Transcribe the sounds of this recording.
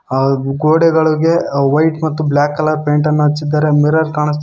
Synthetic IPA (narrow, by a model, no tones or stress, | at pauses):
ɡoːɽɛɡɐɭiɡe̞ʋɐjʈmɐt̪ːublaːkːɐlɐɾpeːɳʈɐnːuɦɐt͡ʃːid̪ːaːɾe̞miɾɐɾkaːɳɐs